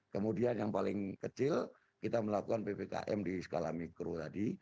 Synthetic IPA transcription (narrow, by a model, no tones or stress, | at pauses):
kəmudianjaŋpalɪŋkət͡ʃɪl | kit̪aməlakukanpepeka̰ʔɛ̰mdisə̥kola̰hmikɾot̪adi